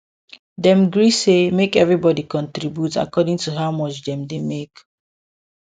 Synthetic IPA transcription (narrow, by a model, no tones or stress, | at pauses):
dɛ̃mɡɹisemekɛvɹibɔdikɔ̃ntɹibjuta̰kɔdĩŋtuɦaʊmɔt͡ʃdɛ̃mdemek